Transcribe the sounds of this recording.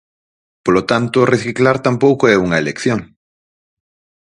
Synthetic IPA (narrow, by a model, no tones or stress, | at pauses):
polot̪ant̪oreθiklaɾt̪ampowkoɛuŋɐelekθjoŋ